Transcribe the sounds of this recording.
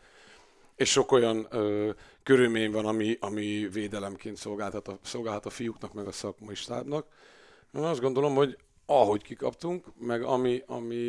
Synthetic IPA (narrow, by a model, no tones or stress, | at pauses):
eːʃʃo̞ko̞jɒnøːkøɾylmeːɲvɒnɒmiʔɒmiveːd̪ɛlɛmkeːnt̪so̞lɡaːlt̪hɒt̪ɒso̞lɡaːlɦɒt̪ɒfijuknɒkmɛɡɒsɒkmɒjiʃt̪a̰ːbnɒk | enɒzd̪ɡo̞nd̪o̞lo̞mho̞ɟ | ɒɦo̞ckikɒ̰pt̪uŋkmɛɡɒmiʔɒ̰mi